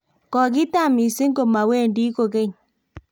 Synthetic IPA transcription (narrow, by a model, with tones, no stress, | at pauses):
kɔ˨ɣi˦ta˦˨mi˨se˦ŋɡo˨ma˨we˦˨ndi˦ko˨ɣe˦ɲ